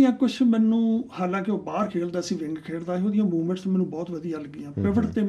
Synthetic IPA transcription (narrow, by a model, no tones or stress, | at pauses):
jãːkʊt͡ʃʰmɛːnũːhaːlãːkɪoːbaːɾkʰeːld̪aːəsĩːʋɪŋɡkʰeːɽd̪aːɦoːd̪ɪjãːmuːmə̃ɳʈst̪õmɛːnũːbɔːt̪ʋəd̪ɪjãːləɡɪjãːpɪʋəʈt̪eː